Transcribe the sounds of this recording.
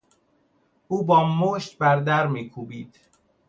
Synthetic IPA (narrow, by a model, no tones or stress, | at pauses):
ʔuːbɒːmoːʃt̪̚bæɾd̪æɾmiːkʰuːbiːd̪̥